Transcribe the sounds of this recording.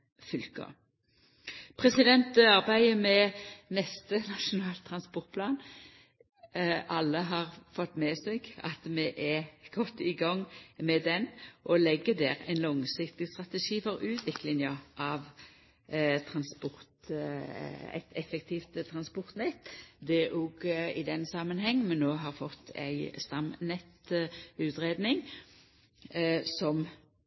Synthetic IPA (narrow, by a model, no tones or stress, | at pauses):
fʏlkɑ̰ | pʰʁɛsɪd̪ɛnt̪ɑʁbæɪəmɛnɛst̪ənɑʂʊnɑːlt̪ʰːɾɑnspɔʁt̪̚pʰlɑːn | ʔɑlːəɦɑʁfɔt̪ːmɛːsɛɡɑ̰t̪mɛʔɛɡ̥ɔt̪ːɪɡɑŋːmɛd̪ɛnʔɔlɛɡːəd̪æːʁæ̰ɪnlɔŋsɪkt̪ɪst̪ʁɑt̪əʂiːfɔɾʉːt̪ʰʋɪklɪŋjɑʔɑʋ | t̪ʰɾɑnspɔʁt̪ | æ̰ɪt̪ʰɛfɛkt̪ʰift̪t̪ʰɾɑnspɔʁt̪nɛt̪ːd̪ɛʔɔɡɪd̪ɛnsɑmənhɛŋːnmɛnːoːɦɑʁfɔt̪ːæ̰ɪst̪ɑmnɛt̪ʉːt̪ʁeːd̪nɪŋ | sɔm